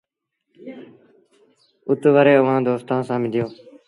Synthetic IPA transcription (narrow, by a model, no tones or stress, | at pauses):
ʊt̪ʋəɾeːəʋãːd̪oːst̪ãːsãːmɪd̪ɪjoː